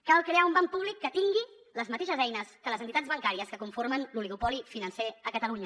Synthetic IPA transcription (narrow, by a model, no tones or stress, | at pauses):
kalˠkɾeaumbampuβ̞likːət̪iŋɡi | ləzmət̪eʃəzɛjnəskələzənt̪it̪ad͡zβəŋkaɾiəskəkuɱfoɾmənluliɣupɔlifinənseəkət̪əluɲə